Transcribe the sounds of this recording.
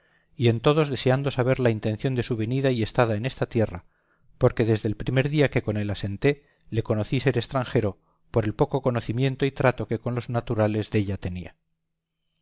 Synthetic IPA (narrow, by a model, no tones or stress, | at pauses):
ie̞nt̪o̞ð̞o̞zðe̞se̞and̪o̞saβ̞e̞ɾlaint̪ẽ̞nθjo̞nd̪e̞suβ̞e̞niðaie̞st̪aðae̞ne̞st̪at̪je̞ra | po̞ɾke̞ðe̞zðe̞lpɾime̞ɾðiake̞ko̞ne̞lase̞nt̪e̞ | le̞ko̞no̞θise̞ɾe̞st̪ɾaŋxe̞ɾo̞ | po̞ɾe̞lpo̞ko̞ko̞no̞θimjẽ̞nt̪o̞it̪ɾat̪o̞ke̞ko̞nlo̞znat̪uɾale̞zðe̞ʎat̪e̞nḭa